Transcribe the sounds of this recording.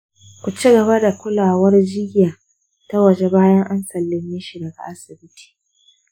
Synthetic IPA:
kʷu˨t͡ʃi˦ɡɐ˨βa˦da˨kʷʊ˦laː˨wɐ˦rd͡ʒɪ˦jaː˨ | ta˦wɐ˨d͡ʒe˨baː˦jɐ˦ŋʔa˦nsɐ˨lːɪ˦ɲji˦ʃi˨dɐ˨ɡa̰˨ʔa˦sɪ˨bɪ˦tʰi̥ː˨

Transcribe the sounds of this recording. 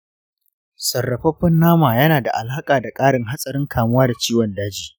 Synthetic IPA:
sɐ˨rːɐ˨ɸɐ˦ɸɐ˦nːaː˦maː˨jɐ˦naː˨da̰˨ʔa̰˨la˦kʼaː˨da˨kʼaː˦ɽɪ˦ŋɦa˦sʼɐ˨ɾɪ˦ŋkʰaː˨mʊ˦waː˦da˨t͡ʃiː˦wɔ˨ndaː˦d͡ʒiː˨

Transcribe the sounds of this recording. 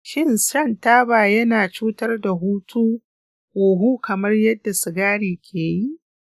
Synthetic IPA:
ʃɪ˦nsɐ˦ntaː˦baː˨jɐ˦naː˨t͡ʃuː˦tɐ˦rda˨ɦuː˦tʰuː˦ | hoː˨ɦuː˦kɐ˨mɐ˦rjɐ˦dːa˨sɪ˨ɡaː˦ɽiː˨kʲʰeː˨ji˦ʔ

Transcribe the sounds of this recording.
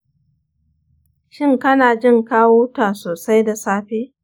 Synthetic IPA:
ʃɪ˦˨ŋkɐ˦naː˨d͡ʒɪ˦˨ŋkaː˦woː˦taː˨soː˨sa˦jda˨saː˦ɸeː˦

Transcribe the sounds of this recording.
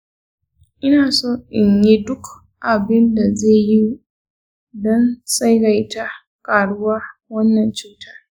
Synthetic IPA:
ʔɪ˦naː˨soː˦ʔɪ˨ɲji˦dʊ˦k | ʔa˨bɪ˦nda˨zeː˦˨ji˦ | dɔ˦nsʼa˦jɽa˨jta˦ | kʼaː˨ɽʊ˦waː˦wɐ˦nːɐ˨nt͡ʃuː˦tʰaː˦

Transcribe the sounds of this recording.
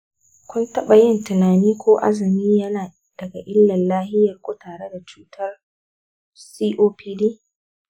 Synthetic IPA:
kʷʊ˦ntɐ˦ɓa˨jɪ˦˨ntɪ˨naː˨niː˦kʷoː˦ʔa̰˦zɪ˨miː˦jɐ˦naː˨ | d̥ɐ˨ɡa˨ʔɪ˦lːɐ˨nlaː˦hɪ˦jɐ˨rkʷoː˦taː˨ɽe˦da˨t͡ʃuː˦tʰɐ˦r | siː˦ʔoː˦pʰiː˦di˦

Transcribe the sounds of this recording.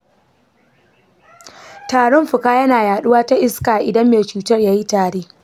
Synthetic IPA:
taː˨ɽɔ˦mɸʊ˨kaː˦jɐ˦naː˨jaː˨ɗʊ˦waː˦ta˦ʔɪ˦skaː˨ʔɪ˨dɐ˦mːeː˨t͡ʃuː˨tɐ˦rjaː˦ji˦taː˨ɽeː˦

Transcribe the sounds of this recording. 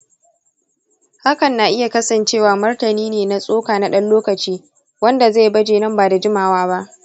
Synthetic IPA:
ha˦kɐ˨nːa˨ʔɪ˦ja˨kɐ˦sɐ˨nt͡ʃeː˦˨waː˨mʊ˦rtɐ˨niː˦neː˨na˨sʼoː˦kaː˨na˨ɗɐ˦nloː˦kɐ˨t͡ʃiː˦ | wɐ˦nda˨za˦˨bɐ˦d͡ʒeː˨nɐ˦˨mbaː˨da˨d͡ʒɪ˦maː˨waː˦ba˦ʔ

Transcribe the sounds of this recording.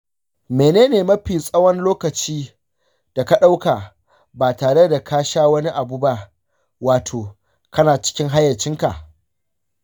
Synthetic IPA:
meː˨neː˦neː˨mɐ˦ɸiː˨sʼɐ˦wɐ˦nloː˦kɐ˨t͡ʃiː˦ | d̥a˨ka˦ɗa˦wka˨ | baː˨taː˨ɽe˦da˨kʰaː˦ʃaː˦wɐ˦ni˦ʔa˨buː˦ba˦ʔ | waː˨tʰoː˨ | kɐ˦naː˨t͡ʃɪ̥˦kʲɪ˦ŋɦa˦jːɐ˨t͡ʃɪ˦ŋka̰˨ʔ

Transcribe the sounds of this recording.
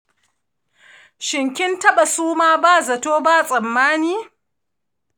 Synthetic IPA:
ʃɪ˨ŋkʲɪ˦ntɐ˦ɓa˨suː˦maː˦baː˦˨zɐ˨toː˦baː˦˨sʼɐ˨mːaː˦niː˦

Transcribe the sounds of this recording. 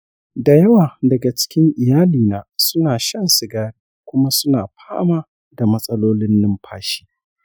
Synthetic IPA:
da˨jɐ˦waː˨dɐ˨ɡa˨t͡ʃɪ̥˦kʲɪ˦ŋʔɪ˨jaː˦liː˨naː˦sʊ˦naː˨ʃɐ˦nsɪ˨ɡaː˦ɾi˦kʷʊ˦ma˦sʊ˦naː˨ɸʰaː˦maː˦ | da˨mɐ˦sʼɐ˦loː˦lɪ˦nːɪ˦mpʰaː˦ʃi̥ː˦

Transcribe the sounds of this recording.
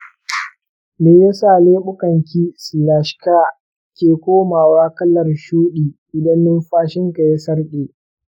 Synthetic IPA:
meː˨jɐ˦saː˦˨leː˦ɓʊ˦kɐ˨ŋkʲiː˦sɪ˨laː˨ʃkaː˦˨ | kʲeː˨kʷoː˦maː˨waː˦kɐ˦lɐ˨rʃuː˦ɗiː˨ʔɪ˨dɐ˦nːɪ˦mɸaː˦ʃɪ˦ŋka˨ja˦sɐ˦rɗeː˨

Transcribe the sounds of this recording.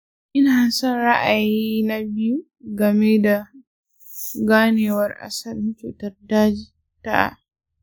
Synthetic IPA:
ʔɪ˦naː˨sɔ˦˨nɽa˦ʔa˨jiː˦na˦bɪ˦ju˦ | ɡɐ˨me˦da˨ | ɡaː˦neː˨wɐ˦rʔa̰˨sɐ˦˨lmʊ˦t͡ʃu˨tɐ˦rdaː˦d͡ʒi˨ | ta̰˦ʔa̰˨

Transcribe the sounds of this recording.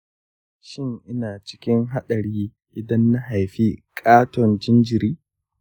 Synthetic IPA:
ʃɪ˦˨ŋʔɪ˦naː˨t͡ʃɪ̥˦kʲɪ˦ŋɦa˦ɗɐ˨ɽiː˦ | ʔɪ˨dɐ˦nːa˦ɦa˨jɸi˦kʼaː˦tɔ˨nd͡ʒɪ˦nd͡ʒɪ˨ɾiː˦

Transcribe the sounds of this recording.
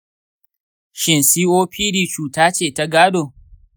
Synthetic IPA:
ʃɪ˨nsiː˦ʔoː˦ɸʰiː˦ɾiː˨t͡ʃuː˨taː˦t͡ʃeː˦˨ta˦ɡaː˦doː˨

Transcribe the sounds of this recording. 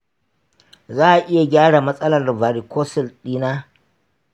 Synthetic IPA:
zaː˦ʔa˨ʔɪ˦ja˨ɡʲaː˦ɽa˨mɐ˦sʼɐ˦lɐ˨rlvaː˨ɾi˨kʷʰoː˦sɪ˨lɗiː˦naː˦

